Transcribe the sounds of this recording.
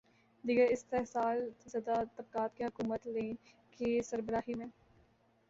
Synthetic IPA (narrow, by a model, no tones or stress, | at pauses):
d̪iɡəɾɪst̪eɦsaːlzɐd̪at̪ɐb̚kaːt̪̚keɦʊkuːmət̪lẽː | kesɐɾbəɾaːɦimẽ